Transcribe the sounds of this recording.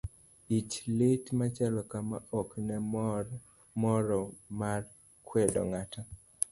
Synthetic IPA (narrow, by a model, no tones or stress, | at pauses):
it͡ʃletmat͡ʃalɔkama̰ɔknɛ | mɔɾɔmar | kwɛdɔ̰ŋata